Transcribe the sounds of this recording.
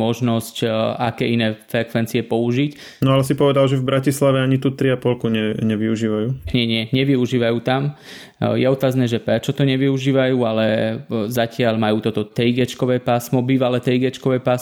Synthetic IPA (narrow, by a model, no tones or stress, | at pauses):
ɔʒnɔscakɛːinɛːfɾɛkʋɛnt͡siɛpɔuʒic | nɔalɛs̬ipɔʋɛd̪alʒɛvbɾacislaʋɛaɲit̪uːt̪ɾiapɔlkuɲɛɲɛʋiuʒiːʋajuːɲɪɛɲɪɛɲɛʋiuʒiːʋajuːt̪am | jɛɔt̪aːznɛːʒɛpɾɛt͡ʃɔt̪ɔɲɛʋiuʒiːʋajuːalɛzacɪalmajuːt̪ɔt̪ɔt̪ɾiɡɛt͡ʃkɔʋɛːpaːsmɔbiːʋalɛt̪ɾiɡɛt͡ʃkɔʋɛːpaːs